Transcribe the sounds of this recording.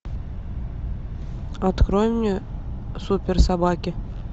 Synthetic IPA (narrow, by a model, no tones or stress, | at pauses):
ɑt̪krojɪmnʲe | supʲersɑbɑkʲɪ